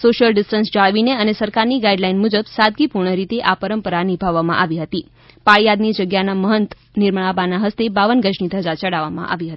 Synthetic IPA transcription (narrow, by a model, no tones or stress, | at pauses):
soʃəlɖisʈənsd͡ʒaɭʋineənesəɾkaɾniɡaiɖlainmud͡ʒəbsad̪̚ɡipuɾɳəɾit̪eʔapəɾəmpəɾanibʱaʋːamã̰ʔaʋiɦət̪i | paɭjad̪nid͡ʒəɡjanaməɦənt̪ | niɾməɭabanaɦəst̪ebaʋənɡəd͡ʒnid̪ʱəd͡ʒat͡ʃəɭaʋamã̰ʔa̰ʋiɦət̪i